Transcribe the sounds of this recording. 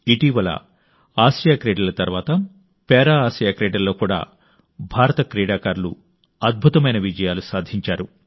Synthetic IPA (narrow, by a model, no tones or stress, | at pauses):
iʈiːʋɐlɐ̰ | aːsjakɾeːɖɐlɐt̪ɐɾʋaːt̪ɐ | pɛːɾaːaːsjaːkɾɛːɖɐɾlo̞ːkuːɽa̰ː | bʱaːɾɐt̪ɐkɾɛːɽaːkaːɾlṵ | ɐd̪̚bʱut̪ɐmɐjnɐʋid͡ʒɐjaːlusaːd̪ʱiɲt͡ʃaːɾu